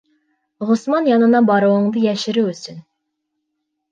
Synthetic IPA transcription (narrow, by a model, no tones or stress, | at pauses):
ʁosmɑnjɑnɨnɑbɑɾowəŋd̪ɨjɛʃɪɾɪøsyn